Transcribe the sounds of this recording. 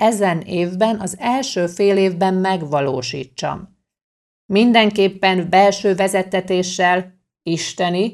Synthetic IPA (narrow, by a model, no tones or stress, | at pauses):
ɛzɛneːvbɛnɒzɛlʃøːfeːleːvbɛmːɛɡʋɒloːʃḭːt͡ʃːɒ̰mː | ind̪ɛŋkeːpːɛmbɛlʃøːvɛzɛt̪ɛt̪eːʃːɛl | iʃt̪ɛni